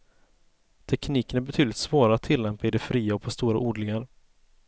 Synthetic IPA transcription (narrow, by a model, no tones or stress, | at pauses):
t̪ʰɛkʰniːkənæɾbɛt̪ʰyːd̪lɪt̪svoːɾaat̪ʰːɪlːɛmpaɪd̪ɛfɾiːaɔpʰɔst̪uːɾaʔuːɖlɪŋaɾ